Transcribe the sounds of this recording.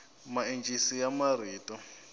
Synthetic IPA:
maent͡ʃʼisijamariːtʼɔ

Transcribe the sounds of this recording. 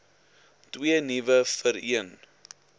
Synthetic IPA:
twiənivəfəɾiən

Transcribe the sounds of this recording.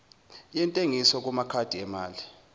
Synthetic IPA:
jɛntʼeŋisɔk̬umakʰad̥ʱiɛmaːli

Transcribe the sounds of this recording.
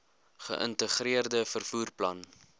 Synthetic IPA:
χə̰ʔə̰ntəχɾiərdəfərfuːrplɐ̰n

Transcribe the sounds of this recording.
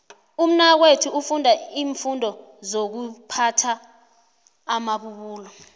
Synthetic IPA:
um̩nak̬wetʰuufundʱaiːɱfundʱɔ | zok̬upʰatʰa | maɓuɓuːlɔ

